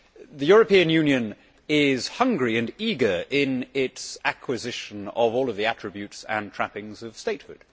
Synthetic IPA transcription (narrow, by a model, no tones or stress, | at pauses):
ðɨjʊɹəpĩɨ̃njʉ̃njɨ̃n | ɪz̥hʌ̃ŋɡɹiɨ̃niɡə˞ʔɪ̃nɪtsækʰwɨzɪʃə̃nʌvɔlˠʌvðiæt͡ʃɹ̥ɨbjʉtsə̰̃ntʰɹ̥æpɪ̃ŋzʌv̥steɪt̚hʊ̰d̥